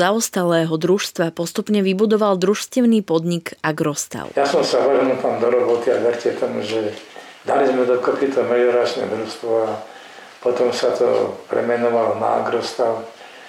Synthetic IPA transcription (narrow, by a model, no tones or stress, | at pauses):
aɔst̪alɛːɦɔd̪ɾuʃst̪ʋapɔst̪upɲɛʋibud̪ɔʋald̪ɾuʃscɛʊniːpɔd̪ɲikaɡɾɔst̪a̰ʊjasɔmsaʋɔnult̪amd̪ɔɾɔbɔt̪iaʋɛɾcɛt̪ɔmuʒɛ | d̪alizmɛd̪ɔkɔpit̪ɔmɛɪɔɾat͡ʃnɛ̰d̪ɾuʃst̪ʋɔa | pɔt̪ɔmsat̪ɔ̰pɾɛ̰mɛnɔʋalɔna̰a̰ɡɾɔst̪aʊ